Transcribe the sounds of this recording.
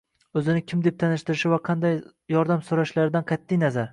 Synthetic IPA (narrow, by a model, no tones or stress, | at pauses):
ɵzɪnɪkʲʰɪmd̪e̞p̚t̪ʰanɪʃt̪ɪɾɪʃɪvaqʰɑnd̪aj | jɒɾd̪amsoɾaʃlaɾɪd̪anqʰɑt̪ʰːɪjnazaɾ